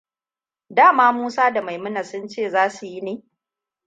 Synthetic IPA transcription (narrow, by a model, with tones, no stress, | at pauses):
daː˦˨maː˦muː˦saː˦da˨ma˨jmʊ˦na˨sʊ˦nt͡ʃeː˦˨zaː˦su˨ji˦neː˨